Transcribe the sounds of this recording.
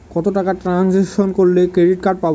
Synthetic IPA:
kɔt̪oʈakaʈɾanziʃonkoɾlekɾeɖiʈ̚kaɾɖ̚pab

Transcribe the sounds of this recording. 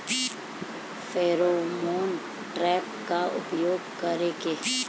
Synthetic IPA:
feːɾoːmoːn | ʈɾɛːk̚kaʔʊ̰pjoːɡkɐɾeːkeː

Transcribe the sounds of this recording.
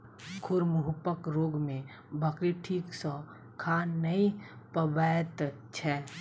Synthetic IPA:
kʰʊɾmʊɦʊpəkɾoːɡmẽ | bʱəkɾiʈʰiːksɔ̃ | kʰaːəipəbajt̪ | t͡ʃʰɛː

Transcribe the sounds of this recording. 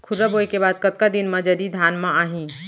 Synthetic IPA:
kʰʊɾəboːjkebaːd̪̚kɐt̪̚kad̪ɪnmãd͡ʒɐd̪id̪ʱaːnmãaːɦĩ

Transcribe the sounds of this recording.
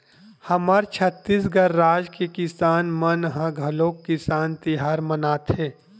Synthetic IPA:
hɐməɾt͡ʃʰət̪ːiːs̬ɡɐɾːaːd͡ʒkekɪsaːnmənɦãɡʱɐloːkːɪsaːnt̪iɦaːɾmənaːt̪ɦeː

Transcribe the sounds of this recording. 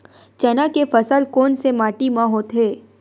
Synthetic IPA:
t͡ʃɐnakefəsəlkoːnsemaːʈimãɦoːt̪ɦeː

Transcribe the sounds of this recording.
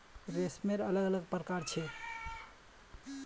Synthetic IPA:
ɾesmeɾələɡələɡ̚pɾəkaɾt͡ʃʰɛ

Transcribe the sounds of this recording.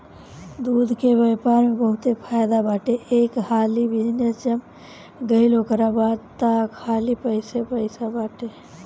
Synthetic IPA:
d̪uːd̪ʱkeʋjaːpaːɾmẽbəɦʊt̪epʰajd̪abaːʈeeːkhaːlibɪd̪ʱinjət͡ʃəm | ɡəɪlokəɾabaːd̪t̪aːkʰːhaːlipəɪsepəɪsabaːʈe

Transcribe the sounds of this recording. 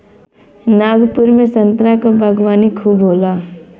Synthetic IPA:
naːɡpʊɾmẽsə̃nt̪ɾakabʱəɡʋaːnikʰuːbɦoːlaː

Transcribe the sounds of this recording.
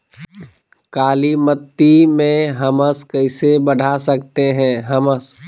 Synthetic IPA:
kaːlimət̪ːimẽɦɐməskɐɪsebɐɖʱasɐkt̪eɦɛ̃ːɦɐməs

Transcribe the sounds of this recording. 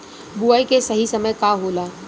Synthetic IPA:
buaikesəɦisəməjkaɦolaː

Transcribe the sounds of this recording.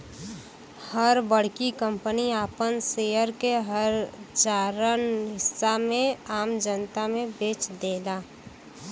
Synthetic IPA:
həɾbəɽ̤kikəmpəniaːpənsejəɾkeɦəɾd͡ʒaɾənɦɪsːamẽaːmd͡ʒənt̪amẽbeːt͡ʃd̪eːla

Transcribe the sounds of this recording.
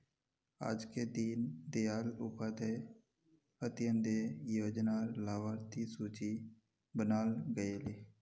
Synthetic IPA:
a̰ːd͡ʒked̪iːnd̪ejaːlʊpat̪e | ət̪ɪjə̃nd̪ejoːd͡ʒnaːlaːʋaːɾt̪isuːt͡ʃi | bənaːlɡəeːleː

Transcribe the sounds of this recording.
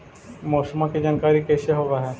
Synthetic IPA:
mɔːsəmãked͡ʒaːnkaːɾikɛːseɦoʋaɦɛː

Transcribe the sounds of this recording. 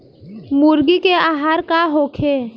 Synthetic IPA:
muːɾɡikeaːɦaːɾkaɦoːkʰeː

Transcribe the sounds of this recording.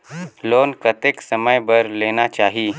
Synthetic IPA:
loːnkɐt̪eksɐməjbəɾleːnat͡ʃaːɦiː

